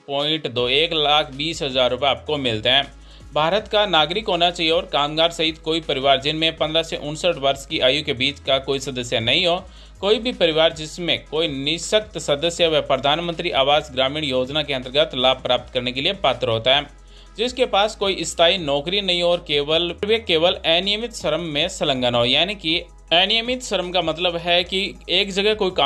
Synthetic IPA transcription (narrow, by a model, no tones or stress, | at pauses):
pɔ̃ːɪ̃ɳʈd̪oːeːklaːkʰbiːsɦəzaːɾːʊpɛaːp̚komɪlt̪eɦɛ̃ː | bʱaːɾət̪kanaːɡɾɪkɦoːnat͡ʃaːieɔːɾkaːmɡaːɾsɐɦit̪koːipəɾɪʋaːɾd͡ʒɪnmẽpəɐ̃nd̪ɾaseʔʊnsəʈʋəɾskiʔaːjukebiːt͡ʃkakoːisɐd̪əsjanɐɦĩɦoː | koːibʱipəɾɪʋaːɾd͡ʒɪsmẽkoːinɪʃəkt̪sɐd̪əsjəʋɛpɾəd̪ʱaːnmə̃nt̪ɾiʔaːʋaːzɡɾaːmiːɽ̃joːd͡ʒnakeɐnt̪əɾɡət̪laːb̚pɾaːp̚t̪kɐɾnekeliepaːt̪ɾɦoːt̪aɦɛː | d͡ʒɪskepaːskoːiʔɪst̪ʰaːinɔːkɾinɐɦĩɦɔːɾkeːʋəlɾʋekːeːʋəlɛːnɪjəmɪt̪ʃɐɾəmːẽsələ̃ŋɡənɦoːjaːniki | ɛːnɪjəmɪt̪ʃɐɾəmkamɐt̪ləbɦɛkieːkd͡ʒɐɡɛkoːika